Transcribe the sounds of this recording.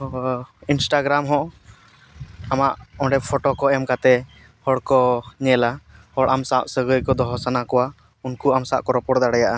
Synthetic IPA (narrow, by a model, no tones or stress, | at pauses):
insʈaɡɾamɦɔ̃ʔ | amaʔɔ̃ɖɛpʰɔʈɔkɔɛmkat̪ɛ | hɔɽkɔɲɛlahɔɽʔamsaʔsəɡəjkɔd̪ɔɦɔsanakɔwa | unkuamsa̰ʔkɔɾɔpɔɽd̪aɽɛjaʔa